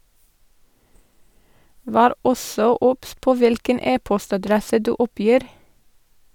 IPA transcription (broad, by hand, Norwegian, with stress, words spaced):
ˈʋæːɾ ˈɔsɔ ˈʊps ˈpoː ˈʋɪlkən ˈeːpɔstɑˌdɾɛsə ˈdʉː ˈʊˌpjiːɾ